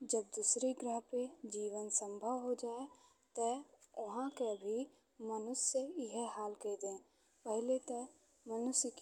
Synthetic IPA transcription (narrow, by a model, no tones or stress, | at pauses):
d͡ʒəbd̪uːsɾiɡɾəɦped͡ʒiːʋənsə̃mbʱəwɦod͡ʒaːe | t̪əɐɦãkebʱi | mənʊsːeɪɦeɦaːlkeid̪ẽː | pəɦɪlet̪ə | mənʊsk